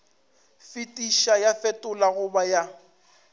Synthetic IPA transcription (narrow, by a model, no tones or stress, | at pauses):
fitʼiʃajafɛtʼʊlaɣʊbaja